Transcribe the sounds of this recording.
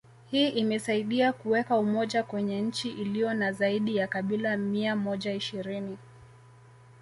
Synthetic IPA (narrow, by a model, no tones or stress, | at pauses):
hiːʔimɛsaiɗiakuwɛkaumɔʄakwɛɲɛɲ̩t͡ʃiʔilijɔnazaiɗijakaɓilamiamɔʄaiʃiɾini